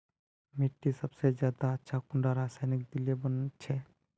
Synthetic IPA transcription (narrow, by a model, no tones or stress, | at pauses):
meʈːisɐbsezjaːd̪aɐtːʃʰakʊɳɖaɾaːsaːjnɪk̚d̪ɪliebənt͡ʃʰɛ